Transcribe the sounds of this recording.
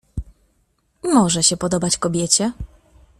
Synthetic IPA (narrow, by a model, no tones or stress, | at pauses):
mɔʐɛɕɛpɔd̪ɔbat͡ɕkɔbʲjɛt͡ɕɛ